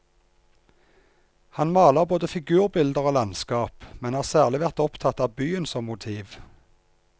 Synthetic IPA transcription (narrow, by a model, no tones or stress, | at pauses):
hɑnmɑːləʁboːd̪əfɪɡʉːʁbɪld̪əʁoːlɑnskɑːpmɛnhɑːʁsæːʁlɪʋæʁt̪ɔpt̪ʰɑt̪ɑːʋbyːənsɔmːʊt̪ʰiːʋ